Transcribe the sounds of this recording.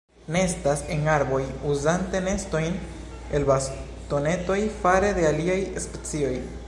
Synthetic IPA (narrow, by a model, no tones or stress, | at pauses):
nestase̞naɾbo̞juzante̞ne̞sto̞jn | e̞lbas | to̞ne̞to̞jfaɾe̞d̪e̞aliajespet͡sio̞j